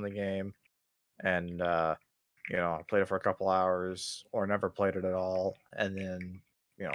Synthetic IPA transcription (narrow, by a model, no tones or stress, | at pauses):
nðɨɡẽɪ̃m | ʔɨ̃nʌ | jɨnoʊaɪpʰeɪɾɨtfə˞ɨkʰʌpl̩ˠaʊə˞z̥ə˞nɛvə˞pʰl̥eɪɾɨɾɨɾɔlˠɨ̃nðɨ̃n | jɨnoʊ